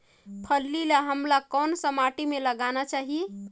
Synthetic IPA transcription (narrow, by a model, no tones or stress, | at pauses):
pʰəlːilaɦəmlakɔnsəmaʈimeləɡanat͡ʃaɦije